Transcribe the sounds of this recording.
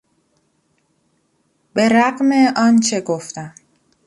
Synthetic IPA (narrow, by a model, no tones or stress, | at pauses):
b̥e̞ɾæɢmeɒːnt͡ʃʰe̞ɡoft̪æm